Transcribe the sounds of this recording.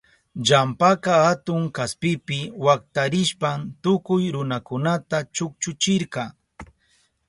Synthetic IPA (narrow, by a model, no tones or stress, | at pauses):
d͡ʒampakahat̪ʊŋkaspɪpɪwak̚t̪aɾɪʃpant̪ʊkʊjɾʊnakʊnat̪at͡ʃʊkt͡ʃʊt͡ʃɪɾkɑ